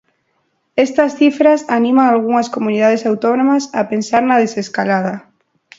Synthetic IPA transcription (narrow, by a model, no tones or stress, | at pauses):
est̪asθifɾasanĩmaŋalɣ̞uŋaskomuniðað̞esawt̪onõmasapensaɾnað̞eseskalað̞a